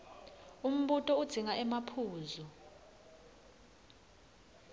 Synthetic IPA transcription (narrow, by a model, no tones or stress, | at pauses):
um̩ɓutʼɔud̥z̥ʱiŋaʔɛmapʰuːzu